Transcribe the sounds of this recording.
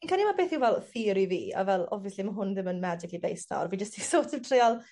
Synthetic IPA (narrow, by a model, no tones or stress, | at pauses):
nkʰanimabeːθɪwvɛlˠθiːɾiviːa̰vɛlˠɔ̰viɛslimaɦʊnðɪmənmad͡ʒɪklibejsna̰ɔ̰rvid͡ʒəstʰisoːtʰɪmtʰreɔlˠ